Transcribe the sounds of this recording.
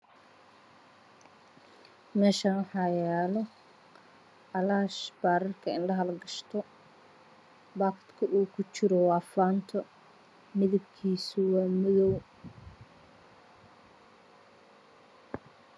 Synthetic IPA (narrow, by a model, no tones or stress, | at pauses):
mɛːʃaːnħɑjaːlɔ | ʔɐlaːʃbaːɾɐrkʰɐɪnlɐɦɐlɡɐʃt̪ʰɔ | baːkt̪kʰʊʔuːkʰʊt͡ʃɪɾɔwɑːfaːnt̪ʰɔ | mɪðɐb̚kʰiːsʊwɑːmɪðɔw